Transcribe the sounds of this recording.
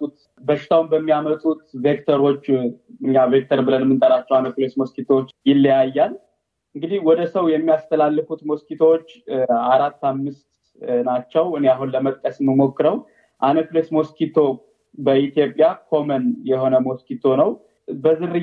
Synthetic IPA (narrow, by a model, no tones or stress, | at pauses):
ut̪ | bəʃːɪ̥t̪ʰawumbəmːijamət̪ʼut̪ve̞kt̪ʰəɾo̞t͡ʃːɨɲːave̞k̚t̪ʰəɾbɨlənmːɨnt̪ʼəɾat͡ʃːɛwanəklesmo̞skit̪ʰot͡ʃːjɪlːijajːal | ʔɨŋɡɨd̪ihwɔd̪əsəwjɛmːijast̪ʰəlalːɨfut̪mo̞skit̪ʰo̞ot͡ʃːaɾat̪ːamːɨst̪ | nat͡ʃːɛwɨneaɦunləmət̪ʼkʼəsmːəmo̞kːɨɾəw | ʔanəklesmo̞skʰit̪ʰo̞ | bəit̪ʰijo̞pʼjakʰo̞mənjɛho̞nəmo̞skit̪ʰo̞nəw | bəzɨɾɨ